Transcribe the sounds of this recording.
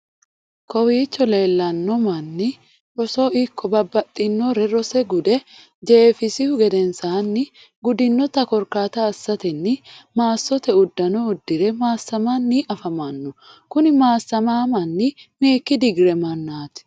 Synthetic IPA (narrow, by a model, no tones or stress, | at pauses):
kɔwiːt͡ʃːɔle̞ːlːɐnːɔmɐnːɪ | ɾɔsoːʔɪkːɔbɐbːɐt̪ʼːɪnːoɾɛɾɔsɛɡʊd̪ɛ | d͡ʒefɪsɪhʊɡɛd̪ɛnsaːnːɪ | ɡʊd̪ɪnːɔt̪ɐkɔɾkaːt̪ɐːsːɐt̪ɛnːɪmaːsːɔt̪ɛʊd̪ːɐnɔʊd̪ːɪɾɛmaːsːɐmaːnːiːʔɐfɐmanːʊkʊnɪmaːsːɐmaːmɐnːɪmeːkːɪd̪ɪɡɾɛmɐnːaːt̪ɪ̥